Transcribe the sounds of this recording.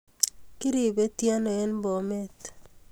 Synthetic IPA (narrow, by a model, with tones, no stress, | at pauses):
kɪ˦ɾi˨be˦tja˦nɔ˨ɛ˦nbɔ˨me˦t